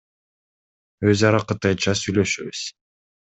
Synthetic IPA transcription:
øzɑɾɑqɯt̪ɑjt͡ʃɑsyjlø̞ʃyβyz̥

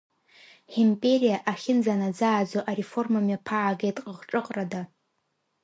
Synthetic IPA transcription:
ħimpʼe̞ɾijaʔaχʲɪnd͡zanad͡zaːd͡zoʔaɾefo̞rmamjapʰaʕːɡejtʼqʼəʁʈ͡ʂʼɨqʼrada

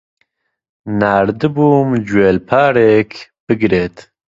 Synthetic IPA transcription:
naːɾd̪ɨbuːmd͡ʒweːlpʰaːɾeːkʰb̥ɨɡɾeːt̪

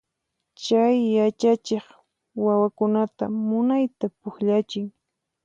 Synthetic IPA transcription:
t͡ʃajːat͡ʃat͡ʃeχ | wawakʊnat̪a̰mʊnajt̪apʊxʎat͡ʃɪŋ

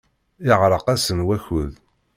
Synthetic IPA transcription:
ɪʁɾˤəqæsənwæçʊð

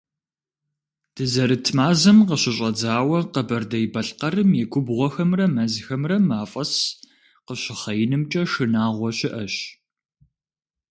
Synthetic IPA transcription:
d̥ɨzɐɾɨtʰmaːzɐmqəɕɪɕʼɐd͡zaːwɐqəbɐrdɐjbɐɬqɐrɨmjɛɡʷʊbʁʷɔxɐmrɐmɐzxɐmrɐmaːfʼɐs | qəɕɪχɐjɪnɨmt͡ʃʼɐʃɨnaːʁʷɔɕɪʔɐɕ

